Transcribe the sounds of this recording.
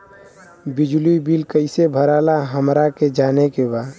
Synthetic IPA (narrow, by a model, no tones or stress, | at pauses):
bid͡ʒluibilkəɪsebʱəɾalaɦəmɾaked͡ʒaːnekebaː